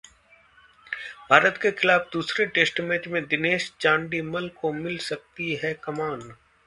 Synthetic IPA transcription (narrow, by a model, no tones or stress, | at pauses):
bʱaːɾət̪kexɪlaːfd̪uːsɾeʈeːsʈmeːt͡ʃmẽd̪ɪneːʃt͡ʃãːɳɖimɐlkomɪlsɐk̚t̪iɦɛkɐmaːn